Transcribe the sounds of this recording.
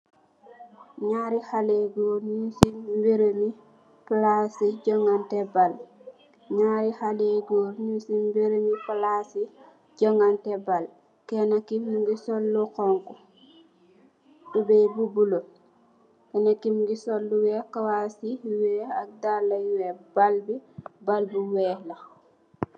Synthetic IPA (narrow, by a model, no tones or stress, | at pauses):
ɲaːɾihaleɡoːnusibeɾemi | plasiɟɔŋɡantɛbal | ɲaːɾihaleɡoːnusimbeɾemiplasi | ɟɔŋɡantɛbal | kɛnakimnuŋɡisɔlːukɔŋku | dubɛbubulo | kɛnakːimŋɡisolːuwɛkawasiwɛːɐk̚dalɐjwɛbalbibalbuwɛːlɐ